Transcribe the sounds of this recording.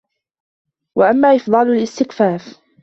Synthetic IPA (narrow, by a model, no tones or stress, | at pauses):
waʔamːaːʔɪfd̪ˤɑːlalʔɪst̪ɪkfaːf